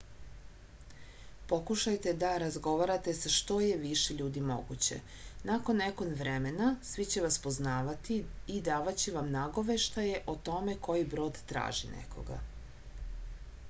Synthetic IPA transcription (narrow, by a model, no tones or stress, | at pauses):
po̞kuʃajt̪e̞d̪aɾazɡo̞ʋaɾat̪e̞saʃt̪o̞je̞ʋiʃeʎuːd̪imo̞̰ɡut͡ɕe̞̰ | nako̞nːeko̞nʋɾeme̞nasʋit͡ɕe̞ʋaspo̞znaːʋat̪iːd̪aːʋat͡ɕeʋamnaɡo̞ʋe̞ʃt̪aje̞ʔot̪o̞me̞ko̞jibɾo̞ːd̪t̪ɾa̰ːʒḭnḛkʰo̞̰ɡa̰